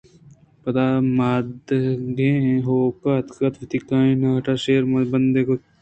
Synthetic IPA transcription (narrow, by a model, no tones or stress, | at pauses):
pɐt̪aːmaːd̪ɡẽɦoːkat̪kɐt̪ʋɪt̪ikãːĩnaːʈaːʃeːɾmbɐnd̪eːko